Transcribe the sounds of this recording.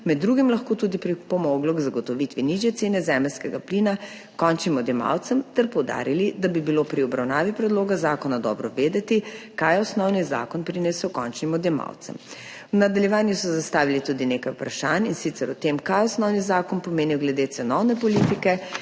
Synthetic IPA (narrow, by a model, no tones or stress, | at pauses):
mɛd̪ːɾuːɡimlɐxkoːt̪uːd̪ipɾipɔmɔɡlɔɡzaɡɔt̪ɔʋit̪ʋiniʒjɛt̪seːnɛzɛːmɛlskɛɡaplina | kɔnt͡ʃnimɔd̪jɛma̰wt̪sɛmt̪ɛɾpɔwd̪a̰ːɾilid̪abibiloːpɾiɔbɾawnaːʋipɾɛd̪loːɡazaːkɔnad̪ɔ̰ːbɾɔʋeːd̪ɛt̪ikajɛɔsnɔwniza̰ːkɔnpɾinɛsɛkɔ̰nt͡ʃnimɔd̪jɛma̰wt̪sɛ̰m | wnad̪aljɛʋaːnjusɔzast̪aːʋilit̪ud̪ineːkajupɾaʃaːninsit̪sɛɾut̪emkajɔsnɔwnizaːkɔnpɔmeːniwɡlɛd̪et̪sɛnɔwnɛpɔliːt̪ikɛ